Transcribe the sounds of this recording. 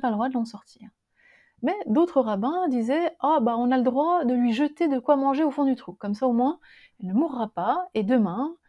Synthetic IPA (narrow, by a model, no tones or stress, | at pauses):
pald̪ʁwad̪əlɑ̃sɔʁt̪ʰiːʁ | mɛd̪ot̪χəʁabɛ̃d̪izɛabaɔ̃naləd̪ʁwad̪əlɥiʒət̪ed̪əkwamɑ̃ʒeofɔ̃d̪yt̪χukɔmsaomwɛ̃ | ɛlnəmuʁːapaed̪əmɛ̃